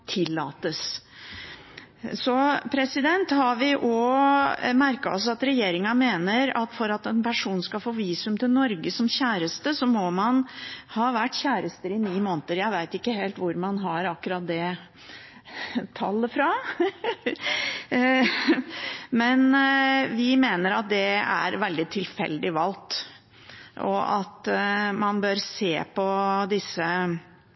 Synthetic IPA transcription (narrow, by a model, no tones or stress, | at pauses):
t̪ʰɪlːɑ̰ːt̪əs | sɔpʰɾɛsɪd̪ɛnt̪hɑɾʋɪʔɔ | mæɾkɑ̰ɔ̰sɑt̪ɾɛjeːɾɪŋɑmeːnəɾɑ̰t̪fɔɾɑt̪ɛnpʰæʂuːnskɑfoːʋiːsʉmt̪ʰɪlnɔɾɡəsɔmçæːɾəst̪əsɔmɔmɑnhɑːʋæʈːçæːɾəst̪əɾɪniːmoːnt̪əɾjæɪʋæɪt̪ɪkːəɦeːlt̪ʋʊɾmɑnɦɑɾɑkːʉɾɑt̪̚d̪ɛ | t̪ʰɑlːəfɾɑ | mɛnʋɪmeːnəɾɑt̪̚d̪ɛæ̰ɾʋɛld̪ɪt̪ʰɪlfɛ̰ld̪ɪʋɑlt̪ | ʔɔ̰ʔɑt̪mɑnbøɾseːpʰɔd̪ɪsə